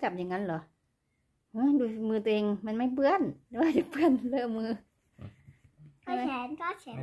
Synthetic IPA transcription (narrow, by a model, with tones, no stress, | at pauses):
ka˨˩p̚ɲa˨˧˩ŋːa˧˥˨nlɔ˨˦ | hɯ˧˥duː˧i˧mɯː˧t̪wʔeː˧ŋma˧˥nma˧˥˩jp̬ɯ˧ənt̪ɛ˧˩waː˧˩t͡ɕa˨˩kpɯ˧˩ənlɯ˧˩˨mɯː˧ | a˧˨˧ɛː˨˦nkɔ˧˥t͡ɕʰɛ˨˦